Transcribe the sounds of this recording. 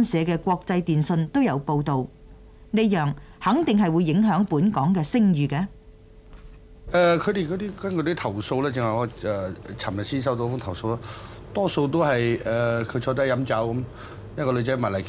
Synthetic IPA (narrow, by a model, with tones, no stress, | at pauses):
nsɛː˨˧kɛː˧kʷɔː˧k̚t͡sɐ˧jt̪iː˨nsɵ˧nt̪o˥wjɐ˨˧wpo˧wt̪o˨w | ne˨˧jjœː˨ŋhɐ˨˥ŋt̪ɪ˨ŋɦɐ˨jwu˨˧jːɪ˨˧˥ŋɦœː˨˥ŋpuː˨˥nkɔː˨˥ŋkɛː˧sɪ˥ŋjyː˨˧kɛː˧ | ʔɛː˨kʰɵ˨˧jt̪e˨jkɔ˨˧t̪iː˥kɐ˥nkɵ˧ɾɔ˦˥t̪ʰɐ˨˩wso˧wlɛː˥t͡sɪ˨ŋhɐ˨jŋɔː˨˧ɛː˨t͡sʰɐ˨˩mɐ˨˩siː˥nsɐ˥wt̪o˧fʊ˥ŋtʰwso˧wlaː˥t̪ɔː˥so˧wt̪o˥wɦɐ˨jɛː˨˩kʰɵ˨˧t͡ʃʰɔː˧˥t̪ɐ˥jɐ˨˥mt͡sɐ˨˥wkm | jɐ˥kɔː˧lɵ˨˧t͡sɐ˨˦jma˨˩nlɐ˨˩jk